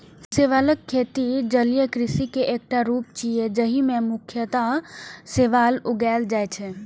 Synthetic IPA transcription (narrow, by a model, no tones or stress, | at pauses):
seːʋaːləkʰːeːt̪id͡ʒəljəkɾɪsikeʔeːk̚ʈaɾuːp̚t͡ʃied͡ʒəɦimẽmʊkʰjət̪aseʋaːlʊɡɛːld͡ʒaːjt͡ʃʰɛ